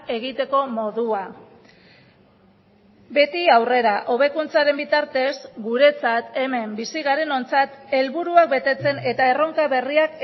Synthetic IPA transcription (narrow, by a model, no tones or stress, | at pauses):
e̞ɣ̞it̪e̞ko̞mo̞ðua | be̞t̪iawre̞ɾaʔo̞β̞e̞kunt͡saɾe̞mbit̪aɾt̪e̞zɡuɾe̞t͡sat̪e̞me̞mbisiɣaɾe̞no̞nt͡sat̪e̞lβuɾuak̚be̞t̪e̞t͡se̞ne̞t̪ae̞ro̞ŋkaβe̞riak